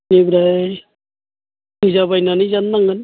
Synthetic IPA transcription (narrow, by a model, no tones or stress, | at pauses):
ibɾaj | izaβajnanizanːaŋɡɯn